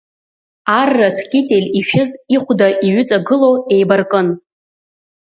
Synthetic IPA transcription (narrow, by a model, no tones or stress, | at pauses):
arːatʰkʲʼɪtʼelʲiʃᶣɪziχʷdaʔiɥʏt͡sʼaɡɨloejbarkʼɨn